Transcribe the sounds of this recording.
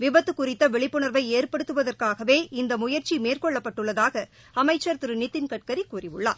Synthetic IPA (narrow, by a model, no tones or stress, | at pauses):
ʋɪbɐt̪ːɯkːʊrɪt̪ːɐʋɛɭɪpːɯɳɐɾʋɐɪeːrpɐɽɯt̪ːɯʋɐðɐrkaːɣɐʋeːʔɪnd̪ɐmʊjɐɾt͡ʃimeːrkɔɭːɐpːɐʈːɯɭːɐðaːɣɐ | ɐmɐɪt͡ʃːɐɾt̪ɯɾɯnɪt̪ːɪnkɐʈ̚kɐɾikuːrɪʋɯɭːa̰ː